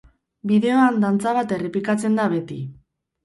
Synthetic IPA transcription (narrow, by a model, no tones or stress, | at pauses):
biðe̞o̞and̪ant͡saβat̪e̞repikat͡se̞nd̪aβe̞t̪i